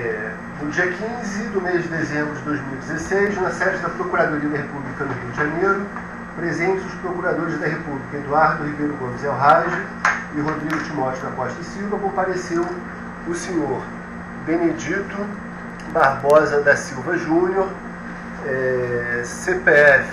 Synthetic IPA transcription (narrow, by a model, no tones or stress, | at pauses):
ɛ | nʊd͡ʒiɐkĩzɪd̪ʊmeʒd͡ʒɪd̪ezẽmbɾʊd͡ʒɪd̪ojzmiwid͡ʒɪzesejzũmɐsɛd͡ʒɪd̪ɐpɾokuɾad̪oɾiɐd̪ɐɦepublikɐnʊɦiud͡ʒɪʒɐ̃nejɾʊ | pɾezẽt͡ʃɪzʊspɾokuɾad̪oɾɪzd̪ɐɦepublikɐed̪uaɾd̪ʊhibejɾʊɡõmɪzɛwɦaʒɐ | ɪɦod̪ɾiɡʊt͡ʃimɔt͡ʃɪd̪ɐkɔʃt̪ɐsiwvɐkõpaɾesew | ʊsẽɲoɾ | bened͡ʒit̪ʊ | baɾbɔzɐd̪ɐsiwvɐʒũɲjoɾ | ɛ | sepeɛf